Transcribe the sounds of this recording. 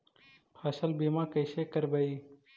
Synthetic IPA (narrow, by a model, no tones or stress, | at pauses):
pʰəsəlbimãːkəɪsekəɾbəi